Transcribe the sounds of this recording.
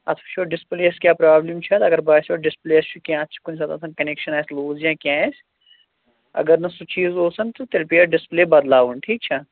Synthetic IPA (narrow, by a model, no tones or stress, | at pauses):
ɐ̰t̪ʰfʃʰoːɖɪspleːɐskʲjaːpɾaːblimt͡ʃʰɐt̪ɐɡɐɾbaːsoːɖɪspleːɐst͡ʃʰukʲjãːt̪t͡ʃʰi̥kunsɐt̪ã̰ːsɐ̃nkɐneːkʃɐnaːsloːzjãːkʲjãːs | ɐ̰ɡɐɾnɐsut͡ʃiːzoːsɐnt̪ot̪elpiːɐɖɪspleːbɐd̪laːʋunʈʰiːk̚t͡ʃʰɐ